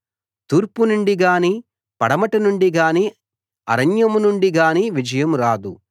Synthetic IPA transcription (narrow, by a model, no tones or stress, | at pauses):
t̪uːɾpunuɳɖiɡaːniː | pɐɽɐmɐʈɐnuɳɖiɡaːniː | ɐ̰ɾɐɲjɐmunuɳɖiɡaːniːʋid͡ʒɐjɐmɾaːd̪u